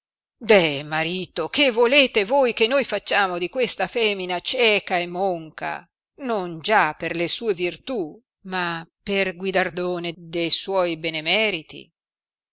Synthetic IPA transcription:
d̪ɛmaɾiːt̪okevːoleːt̪evojkenːojfat͡ʃːaːmod̪ikwest̪afɛmːinat͡ʃɛːkaemːoŋka̰ | nond͡ʒapːerlesuːevirt̪u | maperɡwid̪ard̪oːned̪ejswɔjbenemɛːɾit̪ḭ

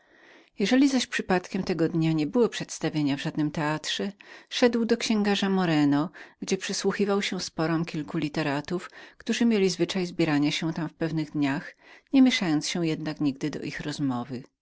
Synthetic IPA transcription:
jɛʐɛlʲizaɕpʂɘpat̪kʲɛmt̪ɛɡɔd̪ɲaɲɛbɘwɔpʂɛt̪st̪avʲjeɲavʐad̪nɘmt̪ɛat̪ʂɛʂɛd̪wd̪ɔkɕɛ̃ŋɡaʐamɔɾɛnɔɡd͡ʑɛpʂɘswuxivawɕɛspɔɾɔmkʲilkulʲit̪ɛɾat̪ufkt̪uʐɘmʲjelʲizvɘt͡ʂajzbʲjɛɾaɲaɕɛ̃t̪amfpɛvnɘɣd̪ɲaxɲɛmʲjeʂajɔnt̪sɕɛ̃jɛd̪nakɲiɡd̪ɘd̪ɔ̰ʔixɾɔzmɔvɘ

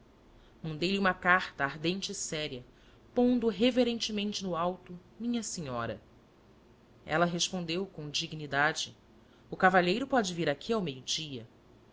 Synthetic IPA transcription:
mɐ̃nd̪ejliũmɐkaɾt̪ɐaɦd̪ẽnt͡ʃɪːsɛɾiɐ | põnd̪ʊɦeveɾẽnt͡ʃɪmẽnt͡ʃɪnʊawt̪ʊmĩɲɐseɲɔɾɐ̰ | ɛ̰lɐɦeʃpõnd̪ewkõw̃d͡ʒiɡnid̪ad͡ʒɪ | ʊkavaʎejɾʊpɔd͡ʒɪviɾakʰiawmejʊd͡ʒiɐ

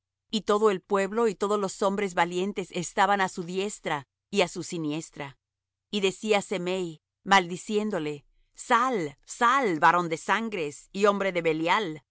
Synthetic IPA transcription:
it̪o̞ðo̞e̞lpwe̞βlo̞it̪o̞ðozlo̞so̞mbɾe̞zβalje̞nt̪e̞sest̪aβanasuðje̞st̪ɾa | iasusinje̞st̪ɾa | iðe̞siase̞mej | mald̪isje̞nd̪o̞le̞ | salsalbaɾo̞nd̪e̞saŋɡɾe̞sio̞mbɾe̞ðe̞βe̞ljal

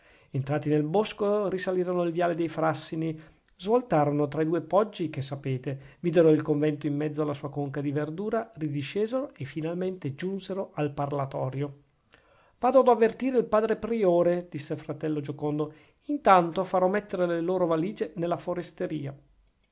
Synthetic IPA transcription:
ent̪ɾaːt̪inelboskorisaliːɾonoilvjaːled̪ejfɾasːini | zvolt̪aːɾonot̪ɾaid̪uːepɔd͡ʒːikesːapeːt̪eviːd̪eɾoilkoɱvɛnt̪oimːɛd̪zːoalːasuːakoŋkad̪iverd̪uːɾarid̪iʃːeːzeɾoefːinalment̪ed͡ʒunseɾoʔalparlat̪ɔːɾjo | vaːd̪od̪oavːert̪iːɾeilpaːd̪ɾepɾioːɾed̪̥isːelfɾat̪ɛlːod͡ʒokond̪o | int̪ant̪ofaɾɔmːet̪ːeɾeleloːɾovaliːd͡ʒenelːafoɾest̪eɾiːa

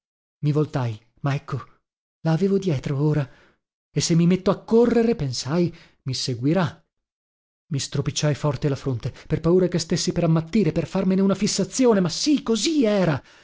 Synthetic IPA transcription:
mivolt̪aj | maɛkːo | laːveːvod̪jɛːt̪ɾooːɾa | esːemːimet̪ːoakːorːeɾepensaj | miseɡwiɾa | mist̪ɾopit͡ʃːajfɔrt̪elafɾont̪eperpauːɾakest̪esːipeɾamːat̪ːiːɾeperfarmeneunafisːat̪sːjoːnemasikoziɛːɾa

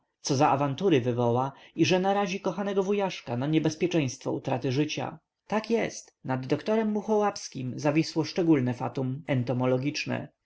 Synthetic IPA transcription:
sɔzaʔavant̪uɾɘvɘvɔwaiʐɛnaɾaʑikɔxanɛɡɔvujaʂkanaɲɛbɛspʲjɛt͡ʂɛ̃j̃st̪fɔut̪ɾat̪ɘʐɘt͡ɕa̰ | t̪akjɛst̪nad̪ːɔkt̪ɔɾɛmːuxɔwapskʲimzavʲiswɔʂt͡ʂɛɡulnɛfa̰t̪umɛnt̪ɔmɔlɔɡʲit͡ʂnɛ̰

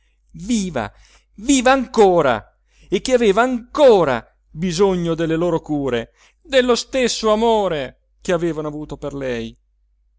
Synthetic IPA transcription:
viːva̰ | viːvaːŋkoːɾa̰ | ek̟ːeaveːvaːŋkoːɾa̰ | bizoɲːod̪elːeloːɾokuːɾe | d̪elːost̪esːoamoːɾe | k̟eaveːvanoavuːt̪operlɛj

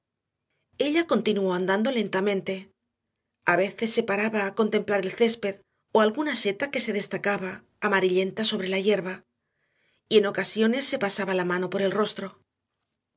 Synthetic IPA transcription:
e̞ʎako̞nt̪inuo̞and̪and̪o̞le̞nt̪amẽnt̪e̞ | aβe̞θe̞sːe̞paɾaβaːko̞nt̪e̞mplaɾelθe̞spe̞ð | o̞alɣunase̞t̪ake̞se̞ð̞e̞st̪akaβaː | maɾiʎe̞nt̪aso̞β̞ɾe̞laʝe̞ɾβa | ie̞no̞kasjo̞ne̞sːe̞pasaβalamãno̞po̞ɾe̞lro̞st̪ɾo̞

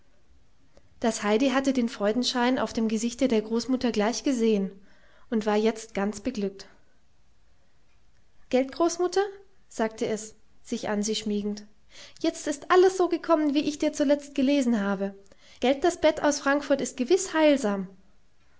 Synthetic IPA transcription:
d̥ashaɪdiɦatədeːnfʁ̥ɔʏdn̩ʃaɪna̰ʊfd̥eːmɡəzɪçtədeːɐɡʁoːsmʊtɐɡlaɪçɡ̥əzeːən | ʔʊntv̥aːɐjɛt͡st̚ɡ̥ant͡sb̥əɡlʏk̚t | ɡ̥ɛlt̚ɡ̥ʁoːsmʊtʰɐ | z̥aːk̚tʰəɛs | z̥ɪçʔa̰nziːʃmiːɡŋ̩t | jɛt͡stɪstʔaləsz̥oːɡəkʰɔmənviːʔɪçd̥iːɐt͡sulɛt͡st̚ɡ̥əleːzn̩haːbə | ɡ̥ɛlt̚d̥asb̥ɛta̰ʊsfʁ̥aŋkfʊɐtɪst̚ɡ̥əvɪshaɪlzaːm

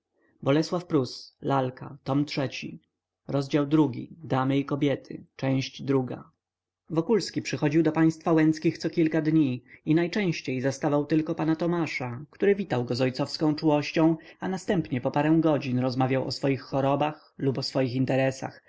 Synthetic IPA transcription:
bɔlɛswafpɾuslalkat̪ɔmtʂɛt͡ɕḭ | ɾɔzd͡ʑawd̪ɾuɡʲḭd̪amɘikɔbʲjɛt̪ʰɘ̰t͡ʂɛ̃w̃ɕd͡ʑd̪ɾuɡa̰ | vɔkulskʲipʂɘxɔd͡ʑiwd̪ɔpaj̃st̪fawɛnt̪skʲixt̪sɔkʲilkad̪ɲiinajt͡ʂɛ̃w̃ɕt͡ɕejzast̪avawt̪ɘlkɔpanat̪ɔmaʂakt̪uɾɘvʲit̪awɡɔzɔjt̪sɔfskɔ̃w̃t͡ʂuwɔɕt͡ɕɔ̃w̃anast̪ɛmpɲɛpɔpaɾɛ̃w̃ɡɔd͡ʑinɾɔzmavʲjawɔ̰sfɔjixːɔɾɔbax | lupɔsfɔjixint̪ɛɾɛsa̰x

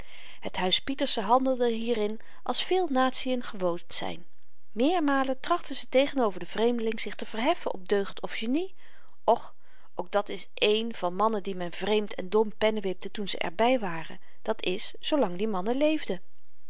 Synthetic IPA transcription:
hətɦœɥspitəɹsəɦɑndəlˠdəɦiːrɪn | ʔɑ̰lˠsfɪːlˠnaːtsijənχəʋownz̥ɛ̰jn | mɪːɹmaːləntrɑχtəzətejχənowvəɹdəv̥rejmdəlɪŋz̥ɪχtəv̥ərɦɛfənʔɔ̰p̚døɥχtʰɔfʃeni | ʔɔχ | ʔowk̚dɑtɪsʔejnv̥ɑnmɑnəndimɛnvrejmtʰɛ̰ndɔmpɛnəʋɪp̚tətunzə̰ʔɛ̰ɹbɛjʋaːrə̰ | d̥ɑtʰɪsːowlɑŋdimɑnəlejvdə

